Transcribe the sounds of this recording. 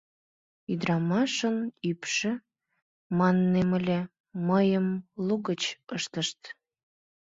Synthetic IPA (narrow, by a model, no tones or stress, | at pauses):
yd̪ɾɑmɑʃənypʃĕ | mɑnːeməlʲe | məjəmluɣət͡ɕəʃt̪əʃt̪